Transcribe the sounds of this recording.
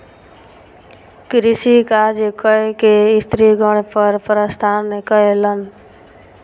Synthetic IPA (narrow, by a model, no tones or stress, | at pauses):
kɾɪsikaːd͡ʒekəekeɪst̪ɾiɡəɽ̃pəɾpəɾəst̪ʰaːnːekəɦelən